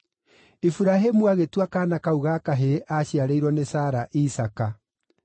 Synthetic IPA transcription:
ifuɾaɦemuaɣetwakaːnakauɣaːkaɦeʔaɕjaɾeiɾwɔnesaːɾaʔisaka

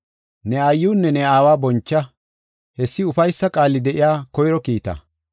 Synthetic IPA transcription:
nɛɐjːuːnːɛnɛaːwaːbɔnt͡ʃːɐ | hɛsːɪʊfɐjsːɐkʼaːlːɪd̪ɛʔɪjaːkɔjɾɔkiːt̪ɐ̰

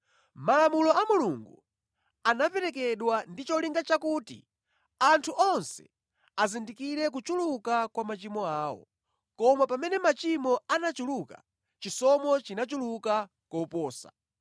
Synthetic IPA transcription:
malamulɔamuluŋɡṵ | anapɛɾɛk̬ɛɗwandit͡ʃɔliŋɡat͡ʃakuːtḭ | antʰuʔɔnsɛ̥̰ | azindikiɾɛk̬ut͡ʃulukakwamat͡ʃimɔaːwɔ̰ | kɔmapamɛnɛmat͡ʃimɔanat͡ʃuluka̰ | t͡ʃisɔmɔt͡ʃinat͡ʃuluka | kɔpɔːsa̰

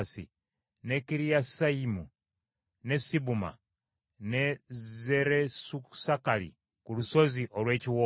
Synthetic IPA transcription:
sḭ | ne̞kiɾijasaimu | ne̞siβuma̰ | neze̞ɾesusakalḭ | kuluso̞ziʔo̞lwe̞ːciwo

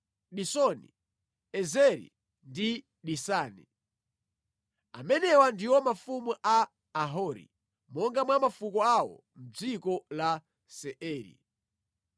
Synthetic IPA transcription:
ɗisɔnḭ | ɛzɛɾḭ | ndi | ɗisaːnḭ | a̰mɛnɛwandiwɔmafumuʔaː | ɦɔɾḭ | mɔŋɡamwamafukɔawɔ̰ | m̩d͡zikɔla | sɛʔɛːɾḭ

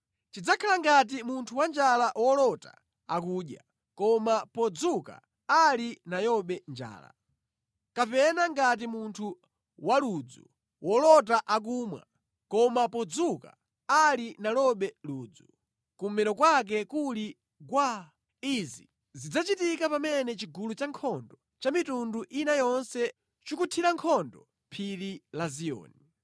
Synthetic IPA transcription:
t͡ʃid͡zakʰalaŋɡat̬imuntʰuwand͡ʒalawɔlɔta | a̰kuːɗja | kɔmapɔd͡zuka̰ | alinajɔɓɛnd͡ʒa̰ːla̰ | kapɛnaŋɡat̬imuntʰu | walud͡zṵ | wʔɔlɔt̬aʔak̬umwa̰ | kɔmapɔd͡zuka̰ | alinalɔɓɛluːd͡zu | kumɛɾɔkwak̬ɛkuli | kwa | izi | zid͡zat͡ʃitikapamɛnɛt͡ʃiɡulut͡ʃaŋkʰɔndɔ | t͡ʃamitunduʔinajɔnsɛ | t͡ʃukutʰiɾaŋkʰɔndɔ | pʰililaziɔ̰ːni

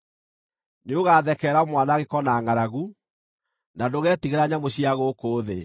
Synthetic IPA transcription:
neoɣaːðɛkɛːɾamwanaɣekɔnaːŋaɾaɣu | nadoɣɛːtiɣeɾaɲamoɕiaɣokoːðḛ

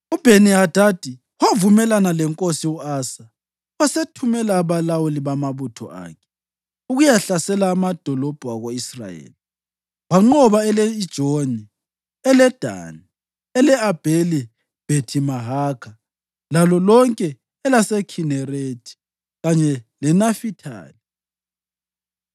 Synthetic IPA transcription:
ub̥ʱeniɦad̥ʱad̥ʱi | wavumɛlanalɛŋkʼosiuaːsa | wasetʰumɛlaːβalawuliβamaβutʰɔ̰ʔa̰ːkʰɛ̥ | uɣujaɬasɛlaːmad̥ʱɔlɔb̥ʱuaɣoisra̰jḛːli | waŋ͡ǃɔβaɛleid̥ʒ̥ʱoni | ɛlɛd̥ʱa̰ːni | ɛlɛab̥ʱeli | b̥ʱetʰimaɦaːkʰa | lalɔlɔŋkʼɛː | lasɛkʰinɛretʰi̥ | ɣaɲɛlɛnafitʰa̰ːli

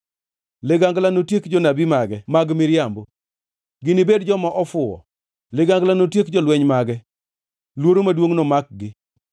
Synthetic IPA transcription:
lɪɡaŋɡlanotjekd͡ʒɔnabimaɡɛmaɡmɪɾjambo | ɡɪnibedd͡ʒɔmaʔɔfʊɔ̰ | lɪɡaŋɡlanotjekd͡ʒɔlwɛɲmaɡɛ | lwoɾomadwoŋnɔmak̚ɡɪ

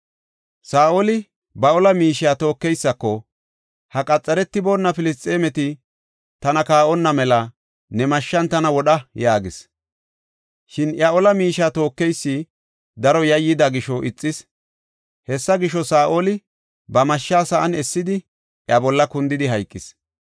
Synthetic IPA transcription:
saːʔolɪ | bɐɔlɐmiːʃɪjaːt̪o̞ːkːɛjsːɐkːɔ | hɐkʼɐt͡sʼːɐɾɛt̪ːɪboːnːɐfɪlɪst̪ʼːeːmɛt̪ɪ | t̪ɐnɐkaːʔɔnːɐmɛlɐ | nɛmɐʃːɐnt̪ɐnɐwɔɗɐjaːɡɪs | ʃɪnjɐɔlɐmiːʃaːt̪o̞ːkːɛjsːɪ | d̪ɐɾɔjɐjːɪd̪aɡɪʃɔʔɪt͡sʼːɪs | hɛsːɐɡɪʃːɔsaːʔolɪ | bɐmɐʃːaːsɐʔɐnɛsːɪd̪ɪ | ʔjɐbɔlːɐkʊnd̪ɪd̪ɪɦɐjkʼːɪs

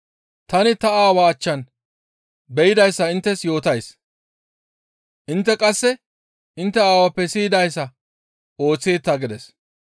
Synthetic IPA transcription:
t̪ɐnɪt̪ɐaːwɐːt͡ʃːɐn | bɛjɪd̪ɐjsːɐɪnt̪ːɛsjo̞ːt̪ɐjs | ʔɪnt̪ːɛkʼɐsːɛ | ɪnt̪ːɛaːwɐpːɛsiːd̪ɐjsːɐ | o̞ːt͡sːeːt̪ːɐɡɪd̪ɛs

